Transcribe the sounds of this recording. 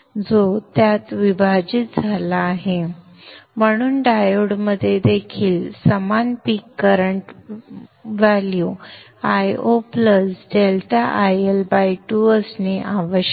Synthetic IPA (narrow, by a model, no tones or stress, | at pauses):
d͡zot̪jat̪ʋibʱad͡ʑit̪̚d͡zʱalaːɦe | m̤əɽ̃uːnɖajoɽməd̪ʱːjed̪ekʰiːlsəmanpikːəɾəɳʈ | ʋalju | ajopləsɖelʈaʔajelbajʈuəsneʔaʋəɕ